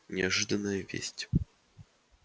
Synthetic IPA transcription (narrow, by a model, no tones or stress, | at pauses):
nʲɪaʐɨd̪ənːəjəvʲḛsʲtʲ